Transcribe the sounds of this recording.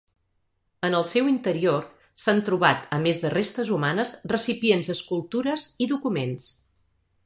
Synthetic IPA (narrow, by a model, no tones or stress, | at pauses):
ənəlˠsɛwint̪əɾior | sant̪ɾuβat̪əmezðərest̪əzumanəzrəsipienzəskulˠt̪uɾəziðukumens